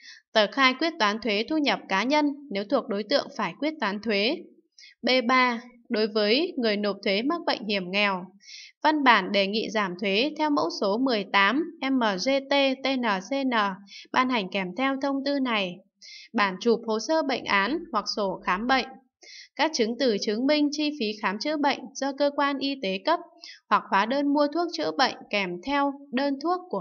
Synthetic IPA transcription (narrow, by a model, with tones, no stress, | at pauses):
t̪əː˧˨˩xaː˧jkwi˦˥ət̚t̪waː˨˦nt̪ʰwe˨˦t̪ʰu˧ɲə˨˩p̚kaː˨˦ɲə˧nːe˨˦wt̪ʰu˨˩ək̚ɗo˨˦jt̪ɨ̰˧˨əŋfaː˧˩jkwi˦˥ət̚t̪waː˨˦nt̪ʰwe˨˦ | ɓe˧ɓaː˧ | ɗo˨˦jvəː˨˦jŋɨ˨˩əjno˨˩p̚t̪ʰwe˨˦ma˦˥k̚ɓə̰˧˨jŋ̟hi˧˩əmŋɛ˨˩wva˧nɓaː˧˩nɗe˧˩ŋḭ˧˨zaː˧˩mt̪ʰwe˨˦t̪ʰɛ˧wmo̰˧˥so˨˦mɨ˨˩əjt̪aː˨˦mʔɛ˧mʔəː˨˩ze˧t̪e˧t̪e˧nəː˨˩se˧nəː˨˩ɓaː˧nha˨˩jŋ̟kɛ˧˩mt̪ʰɛ˧wt̪ʰə˧wŋ͡mt̪ɨ˧na˨˩j | ɓaː˧˩nt͡ɕu˨˩p̚ho˨˩səː˧ɓə̰˧˨jŋ̟ʔaː˨˦nhwa˨˩k̚so˧˩xaː˨˦mɓə̰˧˨jŋ̟ | kaː˦˥k̚t͡ɕɨ˨˦əŋt̪ɨ˨˧˩t͡ɕɨ˨˦əŋmï˧ŋ̟t͡ɕi˧fi˨˦xaː˨˦mt͡ɕɨ̰˧˥ɓə̰˧˨jŋ̟zɔ˧kəː˧kwaː˧nʔi˧t̪e˨˦kə˦˥p̚hwa˨˩k̚waː˨˦ɗəː˧nmu˧ət̪ʰu˦˥ək̚t͡ɕɨ̰˧˥əɓə̰˧˨jŋ̟kɛ˧˩mt̪ʰɛ˧wɗəː˧nt̪ʰu˦˥əkːu˧˩ə